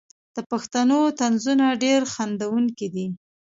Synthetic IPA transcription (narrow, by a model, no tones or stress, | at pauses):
d̪̥əpaxt̪anot̪anzunaɖeɾxand̪awuŋkid̪i